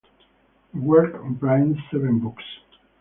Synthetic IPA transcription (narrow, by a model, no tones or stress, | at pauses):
wɜɹknbɹãndsɛvɛ̃nbuks